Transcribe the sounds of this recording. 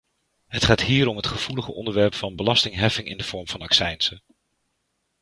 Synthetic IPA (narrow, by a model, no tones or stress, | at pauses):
ɦətχaːtɦiːɾɔmɦətχəv̥uləχəʔɔ̰ndəɹʋɛɹpfɑnbəlɑstɪŋɦɛfɪŋɪ̰ndəv̥ɔɹmvɑnɑksɛjnsə